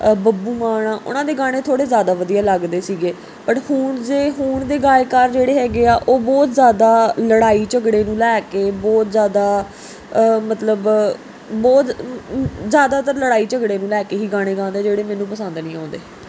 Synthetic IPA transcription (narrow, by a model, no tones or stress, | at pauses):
bəbuːmaːɳ̃aːʔʊ̰nãːd̪eːɡaːɽ̃eːt̪ʰoːɽeːzjaːd̪aːʋəd̪ijaːləɡd̪eːsiːɡeː | pəʈhuːɳd͡ʒeːɦuːɳd̪eːɡaːekaːɾd͡ʒeːɽeːɦɛːɡeːaːʔoːbɔːt̪zjaːd̪aːləɽaːiːt͡ʃəɡɽeːnũːlɛːkeːbɔːt̪zjaːd̪aː | mət̪ləb | bɔːt̪ | zjaːd̪aːt̪əɾləɽaːiːt͡ʃəɡɽeːnũːlɛːkeːɦiːɡãːɽ̃eːɡãːnd̪eːd͡ʒeːɽeːmɛ̃ːnũːpəsənd̪nĩːãːnd̪eː